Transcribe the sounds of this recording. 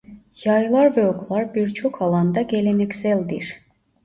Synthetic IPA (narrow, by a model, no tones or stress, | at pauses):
jajlˠɑɾvɛokʰlˠɑɾbiɾt͡ʃʰo̞kʰalˠɑnd̪ɑɟelʲenɛcsælʲd̪iɾ̥